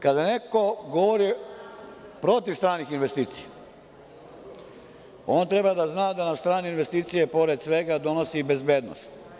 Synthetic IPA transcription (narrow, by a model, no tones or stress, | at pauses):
kad̪ane̞ko̞ɡoʋoɾi | pɾo̞t̪iʋst̪ɾaːnixinʋest̪iːt̪sije | o̞ːnt̪ɾe̞bad̪aznaːd̪anamst̪ɾaːneinʋe̞st̪iːt̪sijepo̞ɾed̪sʋe̞ɡad̪o̞nosibe̞zbeːd̪no̰st̪